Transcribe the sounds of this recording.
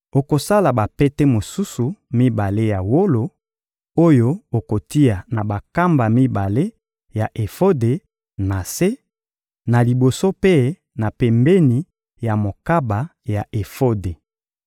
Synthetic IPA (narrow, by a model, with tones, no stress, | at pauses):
o˨ko˨sa˦la˨ba˨pɛ˦te˦mo˨su˦su˨mi˦ba˨le˦ja˨wo˦lo˨ | o˦jo˦o˨ko˨ti˦a˨na˨ba˨ka˦mba˨mi˦ba˨le˦ | ja˨ʔe˨fo˦de˨ | na˨se˦ | na˨li˨bo˨so˦pe˦ | na˨pɛ˨mbɛ˦ni˨ | ja˨mo˨ka˦ba˨ja˨ʔe˨fo˦de˨